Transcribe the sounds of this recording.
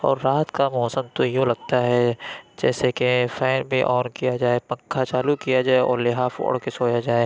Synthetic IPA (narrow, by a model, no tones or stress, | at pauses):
ɔːɾːaːt̪kamɔːsəmt̪ojũlɐɡt̪aɦɛd͡ʒɛːsekefɛːnbʱiʔɔːnkijad͡ʒaːepɐ̃ŋkʰat͡ʃaːlukijad͡ʒaːeɔ̰ːɾlɪɦaːfo̰ːɽkesoːjad͡ʒaːe